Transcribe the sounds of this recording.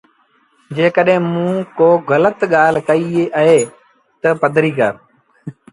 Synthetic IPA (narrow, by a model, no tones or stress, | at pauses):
d͡ʒeːkəɗɦẽːmũːkoːɣələt̪ɠaːl̤kəieʔəɦeː | t̪əpəd̪ʱɾiːkə̰ɾ